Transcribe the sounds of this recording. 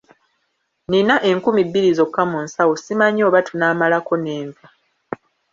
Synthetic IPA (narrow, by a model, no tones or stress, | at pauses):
ninaʔe̞ŋkumibːiɾizo̞kːamunsawosimaɲo̞ːβatunaːmalako̞ne̞ːɱva